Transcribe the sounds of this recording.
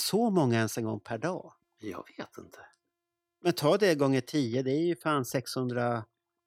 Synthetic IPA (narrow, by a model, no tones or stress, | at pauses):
sɔmɔŋːaɛnsɛŋɡɔŋːpʰæɖɑ̰ː | jɑ̰ːɡveːt̪ɪnt̪ʰə̥ | mɛnt̪ʰɑːd̪ɛɡɔŋːəʈʰiːəd̪ɛæɾjɵfaːnsɛkshɵnd̪ɾa